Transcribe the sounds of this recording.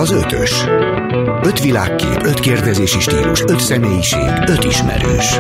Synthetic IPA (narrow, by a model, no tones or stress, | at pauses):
ɒzøt̪ʰøʃ | ø̞t̪ʋila̰ːkːḛːpø̞t̪keːrd̪ɛzeːʃiʃt̪iːluʃø̞t̪sɛmeːjiʃḛːɡø̞t̪iʃmɛ̰ɾøːʃ